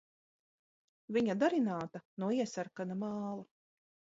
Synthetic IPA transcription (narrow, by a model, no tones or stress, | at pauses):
viɲad̪aɾinaːt̪anuɔiɛsaɾkanamɑːlˠa